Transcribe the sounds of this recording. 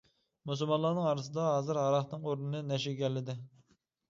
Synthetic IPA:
musulˠmɑnlˠɑnɨŋɑɾɨsɨd̪ɑɦɑːzɨɾɦɑɾɑχnɨŋoɾnɨnɨnɛʃɪɡʲɛlːɪd̪ɪ

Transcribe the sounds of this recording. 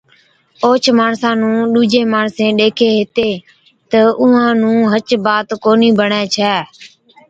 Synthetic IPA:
oːt͡ʃʰmaːɳsãːnũːɗuːd͡ʒẽːmaːɳsẽːɗeːkʰeːɦɪt̪eː | t̪əʊːãːnũːɦət͡ʃbaːt̪koːniːbəɳɛːt͡ʃʰɛː

